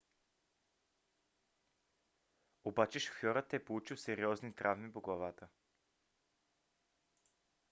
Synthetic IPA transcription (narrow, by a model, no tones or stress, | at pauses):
obat͡ʃɛʃo̥fjɔɾət̪ɛpolˠut͡ʃiwsɛɾiɔznit̪ɾʔavmipoɡlˠavat̪ə